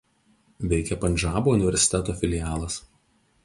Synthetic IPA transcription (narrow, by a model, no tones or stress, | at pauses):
ʋʲɛɪkʲɛpɐnʲʒʲɑːboːʊnʲɪʋʲɛɾʲsʲɪ̥t̪ʲɛt̪oːfʲɪlʲɪjɑːlˠɐs